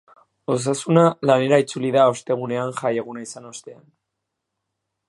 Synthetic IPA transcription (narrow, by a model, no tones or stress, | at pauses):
o̞s̬asunalane̞ɾait͡suliðao̞st̪e̞ɣ̞une̞anʝaje̞ɣ̞unaisano̞st̪e̞an